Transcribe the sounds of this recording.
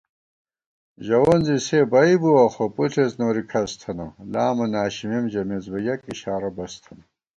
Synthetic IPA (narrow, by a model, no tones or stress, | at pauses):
ʑɐwonzisebɐibuwaxopuɬʰeznoːɾikʰɐst̪ʰɐnɐlaːmɐnaːɕimimʑɐmezbɐjɐkiɕaːɾɐbɐst̪ʰɐnɐ